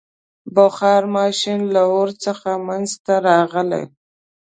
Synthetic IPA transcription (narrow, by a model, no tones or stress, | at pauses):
bʊxɑɾmɑʃɪnlaoɾt͡səxamanzt̪aɾɑɣəlḛj